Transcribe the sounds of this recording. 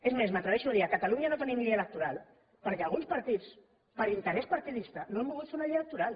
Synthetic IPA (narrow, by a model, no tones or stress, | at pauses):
ezmezmət̪ɾəβɛʃuðiakat̪aluɲanot̪ənimʎielək̚t̪uɾalˠ | pəɾkealˠɣunspɐɾt̪it͡s | pəɾint̪əɾɛspaɾt̪iðist̪ənoempuɣut̪feunaliələk̚t̪uɾal